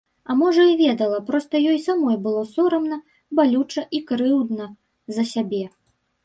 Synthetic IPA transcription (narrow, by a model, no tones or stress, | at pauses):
ɐmɔʐɐivʲɛd̪ɐlˠɐpɾɔst̪ɐjɔjsamɔjbɨlˠɔsɔɾɐmnɐ | balʲut͡ʂɐʔikɾɨwd̪nɐ | zɐsʲabʲɛ